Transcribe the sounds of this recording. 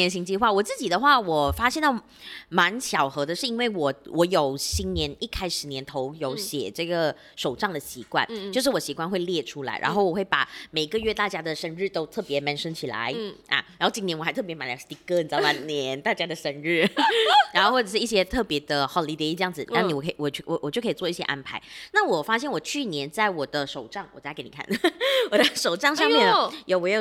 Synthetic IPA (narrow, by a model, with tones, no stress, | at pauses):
ɛ˧˥nɕi˧˥ŋt͡ɕi˥˧xwa˥˩wɔ˨˩t͡sɹ̩˥˩t͡ɕi˨˩d̪ə˦xwa˥˩wɔ˨˩fa˥ɕ̬jɛ˥˧nt̪ɑ˥˩ʊ | ma˧˥nɕjɑ˨˩ʊxɤ˧˥d̪ə˧ʂɻ̩˥˩i˥nwe˥˩ɪwɔ˨˩˦wʔɔ˧˥jo˨˩ʊɕi˥nnjɛ˧˥ni˥˩kʰa˥ɪʂɻ̩˨˩njɛ˧˥nt̪ʰo˧˥ʊjo˧˥ʊɕjɛ̰˨˩ʈ͡ʂɤ˥˩ɡə˩ | ʂo˨˩ʊʈ͡ʂɑ˥˩ŋd̪ə˩ɕi˧˥kwa̰˥˩nt͡ɕo˥˧ʊʂ̬ɻ̩˥˩wɔ˨˩ɕi˧˥kwa˥˧nxwe˥˧ɪljɛ˥˩ʈ͡ʂʰu˥la̰˧˥ɪɻʔa̰˧nxo˥˩ʊwɔ˨˩xwe˥˩pa̰˨˩me˨˩ɪi˧˥ɡə˧ɥɛ˥˧t̪a˥˩t͡ɕja˥d̪ə˨ʂə˧˥nɻɻ̩˥˩t̪o˥ʊt̪ʰɤ˥˩pjɛ˧˥ma˧˥nʂə˥nt͡ɕʰi˨˩la̰˧˦ɪʔa̰˨˩ɻɻa˧˥nxo˥˩ʊt͡ɕi˧˥njɛ˧˥nwɪɤ˥˩pjɛ˧˥ma˨˩njt̪i˧˥kə˥˩nt͡sɑ˥˩pa˧˥njɛ˧˥˦nt̪a˥˩t͡ɕja˥d̪ə˨ʂə˧˥nɻ̩˥˩ɻa˧˥nxo˥˧xwɔ˥˩ʈ͡ʂɤ˨˩ʂɻ̩˥˩˥i˥˩ɕ̬jɛ˥t̪ʰɤ˥˩pjɛ˧˥d̪ə˧xɑ˨˩ʊli˧˥t̪i˥˧˥jɑ˥˩ŋd͡zɹ̩˨˩˧ni˧˥wɔ˨˩kʰwɔ˨˩t͡ɕwwɔ˨˩t͡ɕjkʰt͡swɔ˧i˥˩ɕjɛ̰˥ʔa̰˥npʰa˧˥ɪna˥˩wɔ˨˩fa˥ɕjɛ˥˩nwɔ˨˩t͡ɕʰy˥˩njɛ˧˦nt͡sa˥˩ɪwɔ˨˩d̪ə˦ʂo˨˩ʊʈ͡ʂɑ˥˩ŋwɔ̰˨˩˥a˧˥ke˧˩ni˨˩kʰa̰˥˩nə˩wɔ˨˩da˥˩ɪʂo˨˩ʊʈ͡ʂɑ˥˧ŋʂɑ˥˧ŋmjɛ˥˩njo˨˩wɔ˨˧j